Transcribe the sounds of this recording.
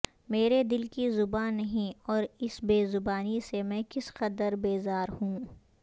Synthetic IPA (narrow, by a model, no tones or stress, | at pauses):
meːɾed̪ɪlkizʊbaːnːɐɦĩɔːɾɪsbeːzʊbaːnisemɛ̃ːkɪsqɐd̪əɾbeːzaːɾhũː